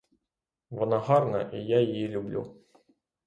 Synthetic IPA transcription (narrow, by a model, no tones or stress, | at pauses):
vɔnaɦɑrnɐʔijajɪjilʲʊblʲṵ